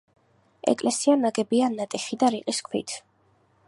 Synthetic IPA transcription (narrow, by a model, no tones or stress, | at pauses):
ɛ̰kʼlɛsianaɡɛbianːat̪ʼɛχid̪aɾiqʼiskʼʰwḭt̪ʰ